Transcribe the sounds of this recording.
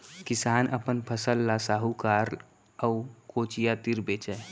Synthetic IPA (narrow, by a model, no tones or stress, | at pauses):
kɪsaːnʔə̰pənpʰəsəlːasaːɦukaɾ | əukoːt͡ʃijat̪iɾbeːt͡ʃɛ